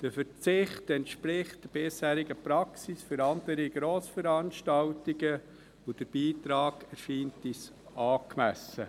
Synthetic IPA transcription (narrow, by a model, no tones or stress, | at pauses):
d̥əfət͡sɪχtɛntʃpɾɪχt̚d̥əɾb̥ɪshæːɾiɡəpɾɑksisfʏɾɑndəɾiɡ̥ɾoːsfəɾɑːnʃtɑltiɡə | od̥əɾb̥iːtɾɑːɡ̥ɛɾʃiːntis | ɑːkmæsə